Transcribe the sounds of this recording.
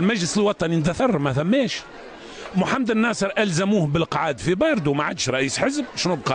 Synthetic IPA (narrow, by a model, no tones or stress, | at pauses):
lmæʒləsəlwɑt̪ˤɑnind̪æθɑɾˤmæθæmːɛːʃ | mʊħamːd̪ənːɑːsˤəɾˤʔælzæmuːhbɪlqɑʕaːd̪fibɑɾˤd̪umaʕad̪ʃɾˤɑʔiːsħəzb̚ʃnubqɑ